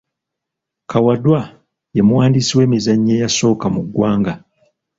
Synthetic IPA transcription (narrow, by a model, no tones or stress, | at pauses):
kawadwa | jemuwaːndisiwe̞ːmizaɲːejaso̞ːkamuɡːwaːŋɡa